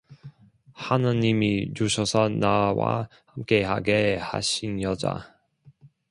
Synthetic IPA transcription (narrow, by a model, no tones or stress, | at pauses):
hanaɲimit͡ɕuɕʰʌsʰʌnawa̰ | hamk͈e̞ɦaɡeha̰ɕʰinjʌd͡ʑa̰